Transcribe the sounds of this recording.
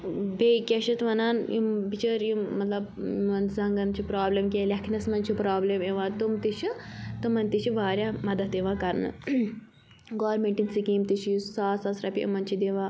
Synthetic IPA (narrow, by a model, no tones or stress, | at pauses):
bʱekʲɐʃɐt̪ʋɐnaːnjimbit͡ʃəɾjummɐt̪lɐbʋɐnzɐŋɡɐnt͡ʃʰipɾaːblemkʲelʲɐkʰnɐsmɐnt͡ʃʰipɾaːblemeʋãːt̪umt̪it͡ʃit̪umɐnʲt̪it͡ʃʰiʋaːɾʲjaːmɐd̪ɐt̪iʋãːkɐɾnɨ̰ | ɡaːɾmeɳʈinsikiːmt̪it͡ʃʰisaːsɐsɾɐpʲiʔɐ̰mɐnt͡ʃʰid̪eʋãː